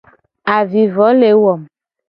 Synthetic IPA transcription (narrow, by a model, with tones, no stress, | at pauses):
a˨vi˨vɔ˨˦le˨˦wɔ˨m